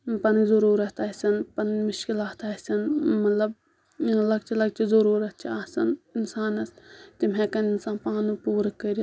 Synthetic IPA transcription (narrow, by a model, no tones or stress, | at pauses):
pɐnzɐɾuːɾɐt̪ɐsʲɐnpɐnmʊʃkilaːt̪asʲɐnmɐlɐb | lɐk̚t͡ʃʰilɐk̚t͡ʃizɐɾuːɾɐt̪̚t͡ʃʰiasɐninsaːnɐst̪imɦekɐninsaːnpaːnupuːɾɐkəɾʲi